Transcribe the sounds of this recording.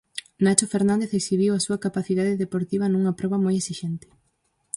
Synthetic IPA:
nat͡ʃofeɾnãnd̪eθeksiβiwasuɐkapaθiðaðeðepoɾt̪iβ̞ɐnuŋɐpɾɔβ̞ɐmojesiʃɛnt̪ɪ̥

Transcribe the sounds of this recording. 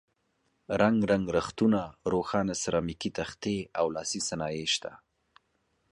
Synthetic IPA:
ɾaŋɡɾaŋɡɾaxt̪unaɾoxɑnasaɾɑmikit̪axt̪eawlɑsisanɑjeʃt̪a̰

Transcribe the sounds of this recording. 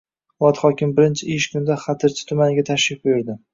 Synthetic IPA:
ɒt̪χɒkʲɪmbɪɾɪnt͡ʃʰɪɪʃkʊnd̪aχat̪ʰɪɾt͡ʃʰɪ̥t̪ʰʊmanɪɡʲat̪ʰaʃɪf̚bojʊɾd̪ɪ

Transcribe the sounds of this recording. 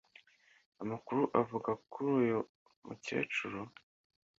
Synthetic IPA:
amakuɾuʔavuɡakuɾuːjo | mṵce̞̰ːt͡ʃuɾo

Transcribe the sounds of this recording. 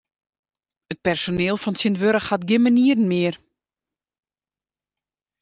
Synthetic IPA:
ət̚pɛrsonɪːlˠfɔnsəndʋøɾəxhatɡɪməniəɾn̩mɪər

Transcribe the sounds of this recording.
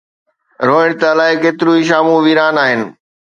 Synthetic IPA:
ɾoːɪɽ̃t̪alaːɦɪkeːt̪ɪɾuiʃ̬aːmũʋiːɾaːnaːɦɪnɪ̆

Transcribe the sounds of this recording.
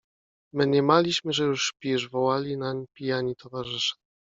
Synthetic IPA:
mɘɲɛmalʲiɕmɘʐɛjuʂpʲiʐvɔwalʲinaɲpʲijaɲit̪ʰɔvaʐɘʂḁ

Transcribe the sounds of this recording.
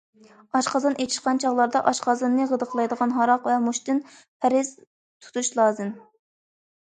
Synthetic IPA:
ɑʃqɑzɑnʔet̪ʰi̥ʃqɑnt͡ʃʰɑʁlˠɑɾd̪ɑʔɑʃqʰɑzɨnːɨʁəd̪əqʰlˠɑjd̪əʁɑnɦɑɾɑqvɛmuʃt̪ɪn | pʰæɾɪz̥ | t̪ʰu̥t̪ʰuʃlˠɑːzɨm

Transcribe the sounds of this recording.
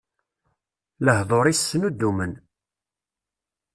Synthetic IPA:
ləhðˤoɾˤisːənud̪ːumən

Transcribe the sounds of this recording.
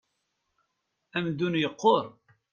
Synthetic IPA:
æmd̪unjəqːoɾˤ

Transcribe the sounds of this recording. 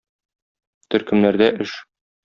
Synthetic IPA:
t̪ɵ̆ɾkɘ̆mnæɾd̪æʔɘʃ

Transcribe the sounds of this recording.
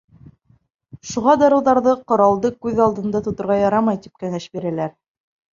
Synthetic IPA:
ʃuʁɑd̪ɑɾɤ̆wðɑɾðɤqŏɾɑlˠd̪ɤkʉðɑlˠd̪ɤ̆nd̪ɑt̪ŏt̪ŏɾʁɑjɑɾɑmɑjt̪ip̚kæŋæʃbiɾælæɾ

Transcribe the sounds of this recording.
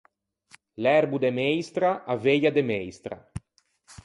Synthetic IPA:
lɛɾbud̪emɛjst̪ɾaʔavejad̪emɛjst̪ɾa̰

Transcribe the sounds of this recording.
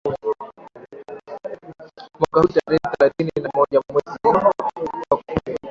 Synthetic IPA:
mwakahutaɾɛɛθɛlaθininamɔʄamwɛzi | ak

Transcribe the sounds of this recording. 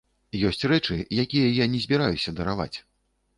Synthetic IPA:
jɔsʲt͡sʲrɛt͡ʂɨjakʲijɐjanʲɛzʲbʲiɾajusʲɐd̪ɐɾava̰t͡sʲ

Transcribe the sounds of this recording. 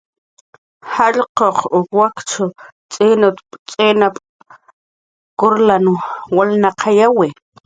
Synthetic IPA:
haʎqoqʊkwakt͡ʃʰʊ | t͡sʼeːnat̪t͡sʼeːnap | kʊɾlanwalnaqʰajawi

